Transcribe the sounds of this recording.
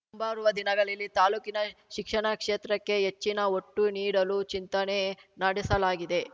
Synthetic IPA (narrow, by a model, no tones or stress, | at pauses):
umbaːɾuʋɐd̪inɐɡɐɭilːit̪aːluːkinɐʃikʂɐɳɐkʂeːt̪ɾɐkːe̞ɦet͡ʃːinɐoʈːuniːɽɐlut͡ʃint̪ɐnenɐɽisɐlaːɡid̪e̞